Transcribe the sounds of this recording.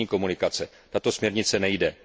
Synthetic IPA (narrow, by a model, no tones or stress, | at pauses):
iːko̞munɪkat͡sɛ | t̪at̪o̞smɲɛɾɲɪt͡sɛnɛjdɛ